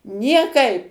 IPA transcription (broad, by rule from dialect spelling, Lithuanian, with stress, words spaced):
nʲiɛˈkɐɪp